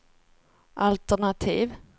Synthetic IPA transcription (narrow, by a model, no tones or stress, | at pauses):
ʔalt̪əɳat̪ʰiːv